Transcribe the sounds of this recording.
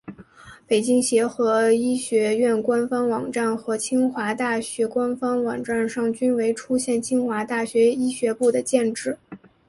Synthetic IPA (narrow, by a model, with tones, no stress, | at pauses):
pe˨˩ɪt͡ɕi˥ŋɕjɛ˧˥xɤ˧˥i˥ɕɥɛ˧˥ɥɛ˥˩nkwa˥nfɑ˥ŋwɑ˨˩ŋʈ͡ʂa˥˩nxɤ˧˥t͡ɕʰi˥ŋxwa˧˥t̪a˥˩ɕɥɛ˧˥kwa˥nfɑ˥ŋwɑ˨˩ŋʈ͡ʂa˥˧nʂɑ˥˩ŋt͡ɕy˥nwe˧˥ɪʈ͡ʂʰu˥ɕjɛ˥˩nt͡ɕʰi˥ŋxwa˧˥t̪a˥˩ɕɥɛ˧˥i˥ɕɥɛ˧˥pu˥˩d̪ə˩t͡ɕjɛ˥˧nʈ͡ʂɻ̩˥˩